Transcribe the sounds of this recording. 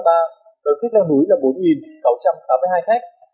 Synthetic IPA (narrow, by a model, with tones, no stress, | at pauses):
t̪aː˧ | ɗəː˨˩ka˦˥k̚laː˧nu˨˦jlaː˨˩ɓo˨˦nŋi˨˩nsa˨˦wt͡ɕa˧mt̪aː˨˦mːɨ˧haː˧jxa˦˥k̚